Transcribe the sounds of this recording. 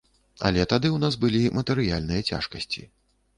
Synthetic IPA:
ɐ̰lʲɛt̪ad̪ɨwnasbɨlʲimɐt̪ɛɾɨjalʲnɨjɐt͡sʲa̰ʂkɐsʲt͡sʲḭ

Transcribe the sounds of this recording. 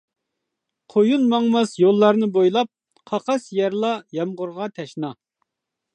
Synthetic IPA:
qʰojunmɑŋmɑsjolˠːɑɾnɨbojlˠɑp̚ | qʰɑqɑsjɛɾlˠɑjɑmʁʊɾʁɑt̪ʰɛʃnɑ

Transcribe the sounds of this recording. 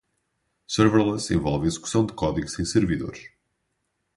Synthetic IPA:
sɛɾvɛɾlˠɛsḛ̃vɔ̰lˠvizɨku̥sɐ̃w̃d̪ɨkɔðiɣusẽj̃sɨɾviðo̰ɾʃ

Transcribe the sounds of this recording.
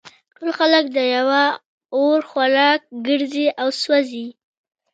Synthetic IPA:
ʈolxalək̚d̪əjawa | oɾxwaɾɑk̚ɡəɾziʔawswazi

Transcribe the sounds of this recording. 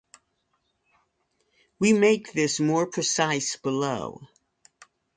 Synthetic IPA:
wimeɪk̚ðɪsmɔɹpʰɹ̥ɨsaɪsb̥əloʊ

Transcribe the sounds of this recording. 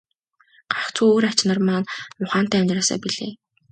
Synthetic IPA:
ɢ̥aχt͡sʰuːoːɾat͡ɕnə̆rmaːnmʊχaːn̥t̪æːʊnʲraːsa̰ːpiɮḛː

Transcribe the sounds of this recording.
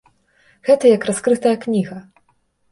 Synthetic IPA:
ɣɛt̪ɐjɐkraskɾɨt̪ɐjɐknʲiɣɐ

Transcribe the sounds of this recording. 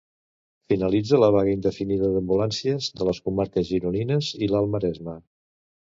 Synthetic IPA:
finəlid͡zələβ̞aɣəind̪əfiniðəðəmbulansiəzðələskumaɾkəzʒiɾuninəzilalˠməɾɛzmə

